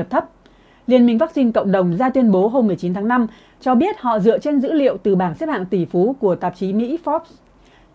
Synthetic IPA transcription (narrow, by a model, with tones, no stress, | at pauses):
ə˨˩p̚t̪ʰə˦˥p̚ | li˨˩ənmï˨˩ŋ̟faː˦˥k̚sï˧ŋkə̰˧˨wŋ͡mɗə˨˩wŋ͡mzaː˧t̪wi˧ənɓo˨˦ɦo˧mːɨ˨˩əjt͡ɕi˨˦nt̪ʰaː˨˦ŋna˧m | t͡ɕɔ˧ɓi˦˥ət̚hɔ̰˧˨zɨ̰˧˨ət͡ɕe˧nzɨ̰˧˥lḭ˧˨ə˨wt̪ɨ˨˩ɓaː˧˩nse˦˥p̚ha̰ː˧˨ŋt̪i˧˩fu˨˦ku˧˩ət̪a˨˩p̚t͡ɕi˨˦mḭ˧˥fɔ˦˥p̚s